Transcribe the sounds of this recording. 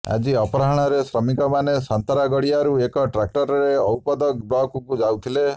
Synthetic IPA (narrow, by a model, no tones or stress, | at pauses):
a̰d͡ʒiɔpɔɾaɦɔɽ̃ɔɾesɾɔmikɔmanesant̪ɾaɡɔɽiaɾuekɔʈɾak̚ʈɔɾɔɾeɔwpɔd̪ɔk̚blɔkukud͡ʒawt̪ʰile